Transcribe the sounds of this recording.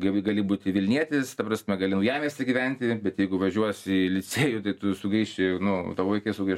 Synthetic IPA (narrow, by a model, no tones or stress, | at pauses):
ɡɐɪɡɐlʲɪbuːt̪ʲɪʋʲɪlʲnʲiɛt̪ʲɪst̪ɐprɑsʲmʲɛɡɐlʲɪnʊjæːmʲeːsʲɪɡʲiʋʲɛnʲt̪ʲɪbʲɛt̪jɛɪɡʊʋɐʒʲuɔsɪlʲɪt͡sʲeːjʊt̪ɐɪt̪ʊsʊɡɾʲiːʃt͡ʃʲenʊt̪ɐʋʋɐɪkɐɪsʊɡɾʲiːʃ